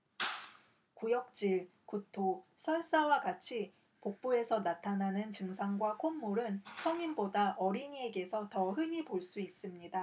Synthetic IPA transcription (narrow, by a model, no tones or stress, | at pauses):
kujʌk̚t͡ɕ͈iɭkutʰosʰʌɭs͈awaɡat͡ɕʰi | pok̚p͈ue̞sʰʌnatʰananɯnt͡ɕɯŋsʰaŋɡwakʰomːoɾɯnsʰʌŋimbodaʔʌɾiɲie̞ɡe̞sʰʌtʌɦɯɲipoɭs͈uis͈ɯmɲida